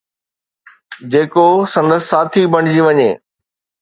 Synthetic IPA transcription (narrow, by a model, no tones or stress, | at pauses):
d͡ʑeːkosɐ̃nd̪əssaːt̪ʰibɐɽ̃ɪd͡ʑiʋɐɲeː